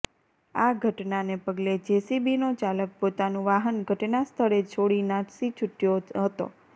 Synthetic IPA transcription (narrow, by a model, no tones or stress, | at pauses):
aɡʱəʈnanepəɡled͡ʒesibinot͡ʃalək̚pot̪anũʋaɦənɡʱəʈnast̪ʰəɾet͡ʃʰoɽinaʈsit͡ʃʰuʈjoɦət̪o̰